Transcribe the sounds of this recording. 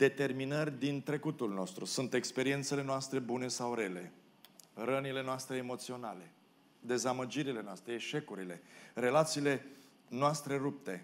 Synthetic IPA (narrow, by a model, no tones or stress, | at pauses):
d̪e̞t̪e̞rminərʲd̪int̪ɾe̞kut̪ulno̞st̪ɾusunt̪e̞kspe̞ɾie̞nt̪se̞le̞noast̪ɾe̞bune̞sawɾe̞le̞ | rənile̞noast̪ɾe̞ːmo̞t̪sio̞na̰le̞ | d̪e̞zaməd͡ʒiɾile̞noast̪ɾeːʃe̞kuɾile̞re̞lat̪siːle̞ | noast̪ɾe̞rup̚t̪e̞